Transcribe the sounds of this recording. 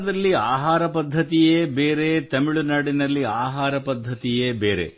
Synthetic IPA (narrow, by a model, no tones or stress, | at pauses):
d̪ɐlːiaːɦaːɾɐpɐd̪ʱːɐt̪ijeːbeːɾe̞t̪ɐmiɭunaːɽinɐlːiaːɦaːɾɐpɐd̪ʱːɐt̪ijeːbeːɾḛ